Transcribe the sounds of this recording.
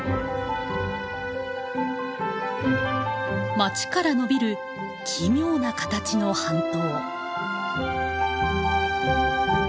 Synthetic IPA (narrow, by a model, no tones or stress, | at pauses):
mat͡ɕi̥kaɾano̞bʲiɾɯ̟ | kʲʰimʲjo̞ːnakḁt̪at͡ɕino̞hãnt̪o̞ː